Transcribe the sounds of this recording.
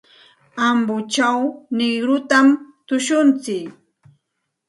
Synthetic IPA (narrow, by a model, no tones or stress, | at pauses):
ambʊt͡ʃawnɪɡɾʊt̪amt̪ʊʃʊnt͡sɪk